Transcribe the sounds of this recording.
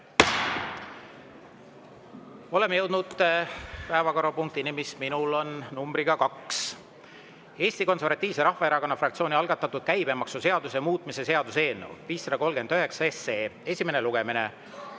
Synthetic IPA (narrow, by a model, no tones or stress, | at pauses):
o̞le̞meje̞wd̪nud̪̥ | pæevɑko̞ɾɑpuŋkt̪inimisminulo̞nnumbɾiɡ̥ɑkɑks | e̞ːsʲt̪iko̞nservɑt̪ʲːˑiːvse̞ɾɑhvɑe̞ɾɑko̞nːɑfrɑkt̪sio̞ːnʲiɑlɡ̥ɑt̪ːˑɑt̪ːˑud̪̥̚kæjb̥e̞mɑksuse̞ɑd̪usemuːt̪ːˑmise̞se̞ɑd̪̥use̞ːnːḛwviːsːɑd̪̥ɑko̞lɡ̥e̞nd̪̥yɦe̞ksɑeseːe̞sʲime̞neluɡ̥e̞mine̞̰